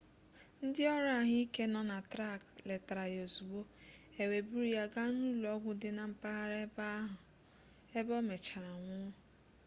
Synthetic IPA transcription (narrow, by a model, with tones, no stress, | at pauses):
n̩˦dɪ˦ɔ˦ɾa˨˦˨ɦɪ˦i˦ke˦nɔ˨na˨tɾa˦˨kle˨ta˨ɾa˨jo˨zu˨bo˦e˨we˨bu˦ɾi˦ja˦ɡa˦nu˦lɔ˦ɡʷʊ˦dɪ˦na˨m̩˨pa˦ɦa˦ɾe˦ba˦ɦʊ˨ | e˦bɔ˦me˨t͡ʃa˨ɾa˨ŋʷʊ˦